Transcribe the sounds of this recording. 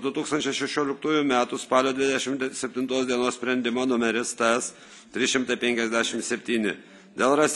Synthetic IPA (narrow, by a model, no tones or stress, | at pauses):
d̪ʊt̪uːksɐnt͡ʃʲɛɪʃʲɛʃʲoːlʲɪkt̪uːjʊmʲæːt̪ʊspɑːlʲoːd̪ʲʋʲɪd̪ʲɛʃʲɪmsʲɛpʲt̪ʲɪnt̪oːsd̪ʲiɛnoːssʲpʲɾʲɛnʲd̪ʲɪmoːnʊmʲɛɾʲɪst̪ɛs | t̪ʲɾʲɪʃʲɪmt̪ɐɪpʲɛŋʲkʲɛzd̪ʲæʃʲɪmsʲɛpʲt̪ʲiːnʲɪ̰ | d̪ʲeːlˠɾɐsʲ